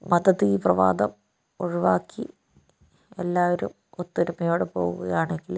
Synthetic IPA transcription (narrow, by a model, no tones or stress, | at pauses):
mɐd̪ɐðiprɐʋa̰ːd̪ɐm | oɻiʋaːkʰːi | elːaːʋoɾṵm | ot̪ːɐɾumɐjoːɽepo̞̰ːɣuɣɐjaːɳeŋɡil